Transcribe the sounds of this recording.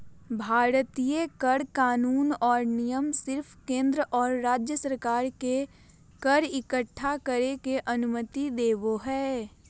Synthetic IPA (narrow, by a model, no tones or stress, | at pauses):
bʱaːɾət̪ijekəɽkaːnuːnɔːɾnɪjəmsɪɾpʰkẽːnd̪ɾəʔɔːɾːaːd͡ʒjəsəɾkaːɾke | kəɾɪkəʈʰːakəɾekeʔɐnʊmət̪id̪eːʋoɦɛː